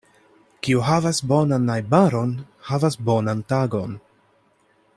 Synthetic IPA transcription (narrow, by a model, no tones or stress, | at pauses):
kiuɦavasbo̞nanajbaɾo̞n | havasbo̞nantaɡo̞n